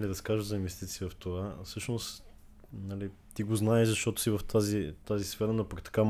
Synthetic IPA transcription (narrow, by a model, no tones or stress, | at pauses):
liɾɐskaʒəzɐinvɛst̪it̪siːvɐft̪ovafsɤʃnos | nɐlit̪iɡoznaɛʒzɐʃt̪ɔt̪ʊ̥sivɐft̪ʰazit̪azisfɛɾənɐpkt̪ɐ̥kam